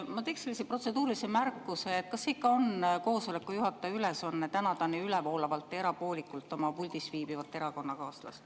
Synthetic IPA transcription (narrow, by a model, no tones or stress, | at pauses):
mɑt̪e̞ːkse̞lːisepro̞t̪se̞d̪uːɾlisemærkːˑuseet̪̚kɑsːikːˑɑo̞nko̞ːso̞le̞kːˑujuɦɑt̪ːˑɑyleso̞nːet̪ænɑd̪̥ɑneylɛvo̞ːlɑvɑlt̪ːˑeɾɑpo̞ːlʲikːˑult̪ːˑo̞mɑpulʲd̪̥isviːb̥ivɑt̪ˑːe̞ɾɑko̞nːɑkɑːslɑ̰s